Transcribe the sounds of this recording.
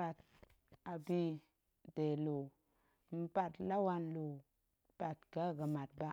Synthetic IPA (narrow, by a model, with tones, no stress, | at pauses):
a˨t̚ | a˨bi˦ | de˨lo˨ | m̩˦ba˨tla˦wa˦nlo˨ | ba˨t̚ɡa˦ɡə˨ma˨t̚ba˦